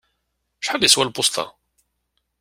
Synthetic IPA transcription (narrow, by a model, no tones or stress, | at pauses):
ʃħad̪jəswælbʊst̪ɑ̰